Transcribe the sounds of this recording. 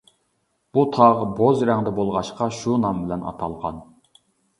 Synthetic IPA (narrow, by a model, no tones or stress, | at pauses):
b̥ut̪ʰɑʁbozɾæŋd̪ɛbolˠʁɑʃqɑʃunɑmbɪlɛnɑ̰t̪ʰɑlˠʁɑ̰n